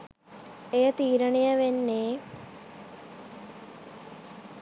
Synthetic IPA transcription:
ejət̪iːɾəɳejəʋenːeː

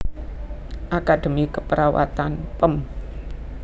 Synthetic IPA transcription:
ʔakad̪̥e̤mikəpəɾawa̰t̪anpəm

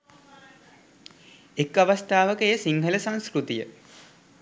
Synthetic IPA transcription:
ekːaʋast̪aːʋəkəejəsiŋɦələsaŋskɾut̪ijə

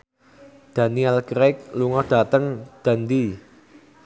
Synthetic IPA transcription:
d̪̥a̤niɛlkɾɛk̚luŋɔd̪̥a̤t̪əŋd̪̥a̤nd̪i

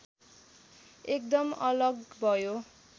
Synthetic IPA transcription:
ek̚d̪ʌmʌlʌɡbʱʌjo

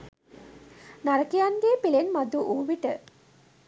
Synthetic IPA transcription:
naɾəkijanɡeːpilenmad̪uʔuːʋiʈə

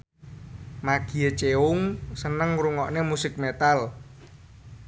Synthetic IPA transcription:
maɡ̥i̤ət͡ʃeʊŋsənəŋɾuŋɔʔnemusɪk̚met̪al

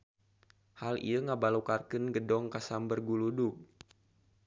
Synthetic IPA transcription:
halḭəŋabalokarkənɡədɔŋkasambərɡuluduk̚

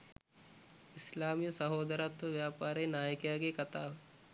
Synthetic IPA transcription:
islaːmijəsɐɦoːd̪əɾat̪ʋɐʋjaːpaːɾeːnaːjəkjaːɡekɐt̪aːʋ

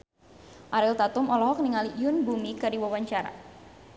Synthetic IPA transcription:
ʔaɾɪlt̪at̪ʊmɔlɔɦɔkniŋalijʊnbumikadiwawaɲt͡ʃaɾa̰

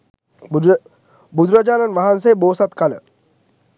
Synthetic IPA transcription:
bud̪ɾad͡ʒaːnanʋaɦans̬ejboːsat̪kalə̰

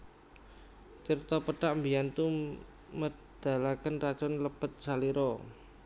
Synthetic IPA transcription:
t͡ʃirt̪ɔpəɖaʔmbijant̪u | mə | d̪̥a̤lakənrat͡ʃɔnləpət̪̚saliɾɔ

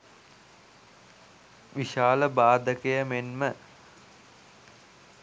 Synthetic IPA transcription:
ʋiʃaːləbaːd̪əkəjəmenmə

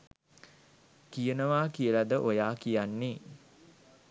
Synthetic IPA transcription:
kijənəʋaːkijəlad̪əʔojaːkijanːe

